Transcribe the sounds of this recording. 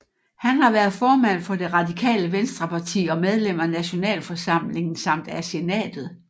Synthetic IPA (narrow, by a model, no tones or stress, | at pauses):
hænhɑ̈ʋæɐðˠfɒːmæn̰fɒ̽d̥e̝ʁɑ̈d̥ikʰɛ̰ːləʋensd̥ʁɐpʰɑ̈t͡sʰḭːɒ̽með̞ˠlem̰ɐnæɕo̝nɛ̰ːlfɒ̽sɑ̈m̰le̝ŋn̩sɑ̈m̰d̥æse̝nɛ̰ːd̥ð̞̩ˠ